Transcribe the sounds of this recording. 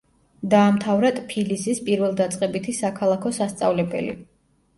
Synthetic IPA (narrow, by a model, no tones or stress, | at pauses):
d̪aːmt̪ʰavɾat̪ʼpʰilisispʼiɾvɛlˠd̪at̪sʼqʼɛbit̪ʰisakʰalˠakʰɔsast̪sʼa̰vlɛbɛ̰lḭ